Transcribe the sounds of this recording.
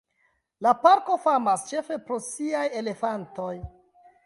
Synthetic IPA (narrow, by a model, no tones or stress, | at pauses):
lapaɾko̞famast͡ʃe̞fe̞pɾo̞siaje̞le̞fanto̞j